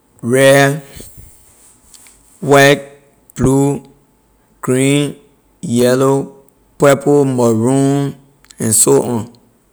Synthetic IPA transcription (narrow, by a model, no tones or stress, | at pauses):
ɹɛ | wat̚ | b̥lu | ɡ̥ɹĩn | jɛlo | pɛpʰomɔɹũm | ɛ̃nsoʔɔ̃n